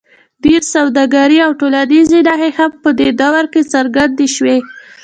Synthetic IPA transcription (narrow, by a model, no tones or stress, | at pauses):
d̪eɾsawd̪ɑɡaɾiawʈolanezid̪aɣexapəd̪ed̪ɑwaɾket͡saɾɡand̪eʃwe